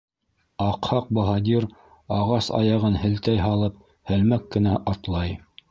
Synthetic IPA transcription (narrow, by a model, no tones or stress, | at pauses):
ɑqhɑq̚boɦɑd̪ʲiɾ | ɑʁɑsɑ̰jɑʁɤnhɘ̆lt̪æjɦɑlˠɤp̚ | hɘ̆lmækːɘ̆næʔɑt̪lˠɑj